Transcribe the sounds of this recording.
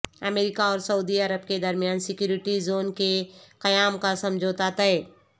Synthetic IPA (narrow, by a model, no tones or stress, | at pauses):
əmeːɾɪkaɔːɾsəud̪iəɾəb̚ked̪ɐɾmijaːnsɪkjuːɾɪʈizoːnkeqɐjaːmkasɐ̃md͡ʒʱoːt̪aːt̪aɦɛː